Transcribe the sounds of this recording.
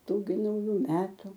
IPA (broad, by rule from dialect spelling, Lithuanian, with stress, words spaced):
ˈtuː ɡʲɪ nɐʊˈjuː ˈmʲæːtʊ